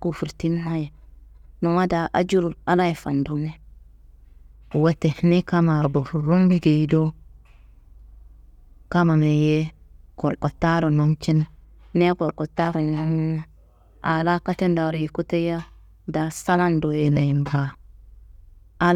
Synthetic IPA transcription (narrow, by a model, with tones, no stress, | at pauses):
ku˨fu˨ɾti˦n˦ha˦je˨no˨ma˦da˨ʔa̰˦d͡ʒu˦ɾu˨a˦la˦je˨fa˨ndu˦ne˦˨ | wa˨te˨˦ne˦ka˦ma˨bo˨fu˨ɾu˦mbi˦ɡi˨˦do˦ | ka˦ma˨me˨je˦ko˨ɾko˨tːa˦ɾo˨no˦mt͡ʃi˦nː | e˦ko˨ɾko˨tːa˦ɾo˨n˨a˦m˦ | a˨la˦ka˦te˦nda˨ɾji˨ku˦te˦ja˦ | da˨sa˦la˦ndo˨je˨na˨ji˨mba˦ | a˦l